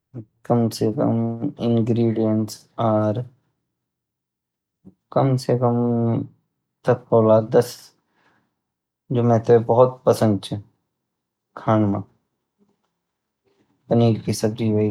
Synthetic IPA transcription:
kɐmsekɐ̰mɪ̃ŋɡɾiːɖijənʈs | aːɾ | kɐmsekɐm | t̪ɐp̚koːlaːɾd̪ɐs | d͡ʒoːmɛ̃ːt̪ʰebɐɦʊt̪̚pɐsə̃nd̪̚t͡ʃʰɛ | kʰaːnmã | pɐniːlkisɐb̚ɾiɦoi

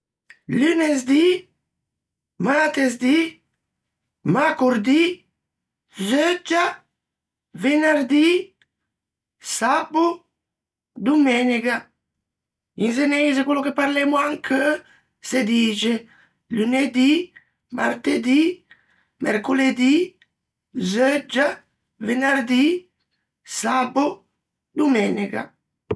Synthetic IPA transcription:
lynezd̪i | mat̪ezd̪i | makuɾd̪i | zød͡ʒa | venaɾd̪i | sabu | d̪umɛniɡa | ins̬eneːzekwelːokepːaɾlɛmoaŋkʰə | sed̪iːt͡ʃe | luned̪i | ma̰rt̪ed̪i | mɛ̰rkoled̪i | zød͡ʒːa | venard̪i | sabo | d̪umɛːnika̰

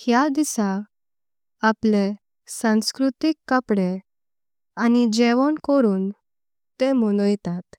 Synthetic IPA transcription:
hjad̪isa | ple | sãwskɾut̪ikːəpɽe | anid͡ʑeʋəɳkoɾuːn | t̪em̤onojt̪at̪

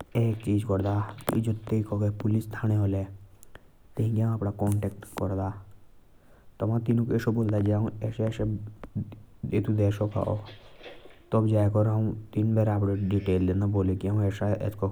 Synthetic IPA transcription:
eːk̚t͡ʃiːd͡ʒkɔɾd̪aḭd͡ʒot̪eikɔɡepʊlist̪ʰaːneɦoːle | t̪eɦĩɡãaːpɽakɔːɳʈekʈkɔɾd̪aː | t̪ɔmãt̪inũkeʃoboːld̪ad͡ʒeaũɛːseɛːʃe | et̪ud̪ɛːʃɔka̰o | t̪ɔbd͡ʒaːekɔɾũt̪inbɛɾaːpɽeɖiʈeːld̪ẽːnd̪aboːlekiaɦũɛːsaḛːsko

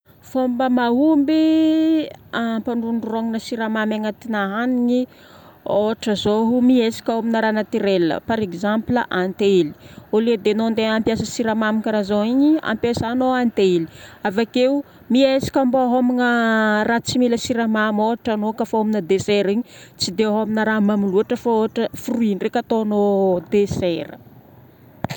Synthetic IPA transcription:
fombəmaɦumbi | ampaɳɖ͡ʐuɳɖ͡ʐuroŋinəsiɾamamaŋat̪inaɦaniɲi | oaʈ͡ʂəzoɦumiesi̥kʲaaminaɾanat̪iɾelːə̰paɾekzampləʔant̪eli̥oled̪enond̪eampjasəsiɾamamikaɾazoiɲia̰mpjasanoant̪eli̥avakeu | miesi̥kʲamboɦominərat͡similəsiɾamamoaʈ͡ʂanokafaaminəd̪eseɾiɲit͡sid̪eaɦaminaɾamamuluaʈ͡ʂəfaoaʈ͡ʂəfuruinrekʲat̪oanod̪eseɾə̰

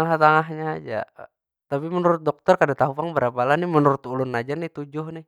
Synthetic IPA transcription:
ŋaht̪aŋaɦɲaːd͡ʒa̰ | t̪apimənuɾʊt̪̚dɔk̚t̪ɔrkadat̪aɦupaŋbəɾapalahnɪmənuɾʊt̪ulʊnːad͡ʒarnɪht̪ud͡ʒʊhnɪh

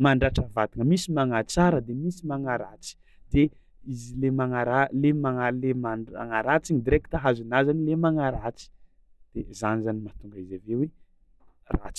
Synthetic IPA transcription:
maɳɖ͡ʐaʈ͡ʂəvat̪iŋəmisimaŋat͡saɾəd̪emisimaŋaɾat͡si̥ | d̪̥e | izilemaŋaɾalemaŋalemaa̰ŋaɾat͡siɲid̪iɾeki̥t̪aɦazunazanilemaŋaɾat͡si̥ | d̪̥ezanizanimat̪uŋɡəizavewe | ra̰t͡si̥

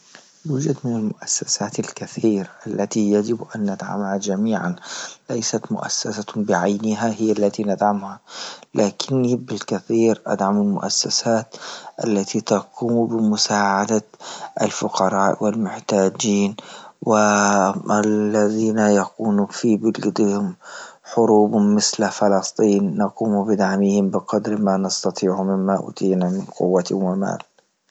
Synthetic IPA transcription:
lʊd͡ʒad̪mɪnalmʊʔasːasaːt̪alkaθiːɾaʔalːat̪ijad͡ʒɪbʔanːad̪ʕa̰mhad͡ʒamiːʕanlajsat̪mʊ̰ʔa̰sːasabɪʕajnɪɦahɪjːalːat̪inad̪ʕamhalaːkɪnːibɪlkaθiːɾʔa̰d̪ʕamɪlmʊ̰ʔasːasaːt̪ʔalːat̪ʰit̪aquːmbɪmʊsaːʕad̪aʔa̰lfʊqɑɾˤɑːʔwɪlmʊħt̪aːd͡ʒiːnwɪ | alːaðiːnajaquːnufibɪlɡd̪hʊmħʊɾuːbʊmɪθlafɪlɑst̪ˤiːnːɑquːmubɪd̪aʕmihɪmbɪqɑd̪ɾmanɑst̪ɑt̪ˤiːʕʊmɪmːaʔṵːt̪ʰiːnamɪnqʊ̰wːat̪wɪma̰ːl

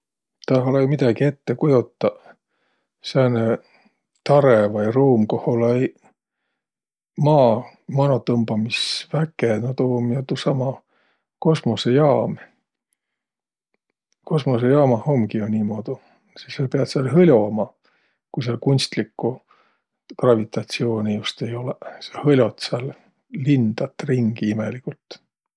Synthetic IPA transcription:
t̪ɑɦolɑjmid̪̥ɑɡie̞t̪ːekujut̪ːˑɑ | sene | t̪ɑɾevɑjruːmkoholɑj | mɑː | mɑnot̪ɤmbɑmisvækːenot̪oːmjɑt̪usɑmɑ | ko̞smo̞sejɑːm | ko̞smo̞s̬ejɑːmɑho̞mɡionniːmo̞ːd̪̥u | sissɑpeɑd̪̥seɑlhɤlʲomɑ | kujs̬eɑlkunʲst̪likːu | krɑvit̪ˑɑt̪sio̞ːnijust̪e̞jo̞lesɑhɤlʲo̞t̪seɑlː | ind̪̥ɑt̪ːˑriŋɡ̥iimelikult̪

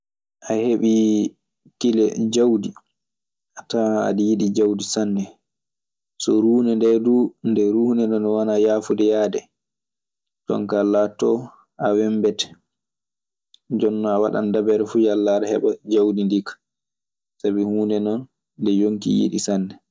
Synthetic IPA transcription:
ʔaheɓi | tilɛd͡ʒawdi | ataa̰ɗijiɗid͡ʒawdisanːɛ | sɔɾuːnɛndɛdundɛɾuːnɛnɔnɔwanajaːfudɛjadɛ | tɔ̰ŋkalːatɔ | awɛmbɛtɛ̥ | d͡ʒɔnːɔawaɗa̰ndabɛɾɛfujalːaɾɛhɛ̰ɓad͡ʒawdindikḁ | sabihuːnɛnɔn | ndɛjoŋkḭjḭɗḭsanːɛ

